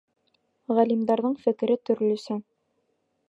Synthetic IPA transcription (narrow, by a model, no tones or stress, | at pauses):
ʁælimd̪ɑɾðɤɴfɘ̆kɘ̆ɾɘt̪ɵ̆ɾlɵ̆sɘ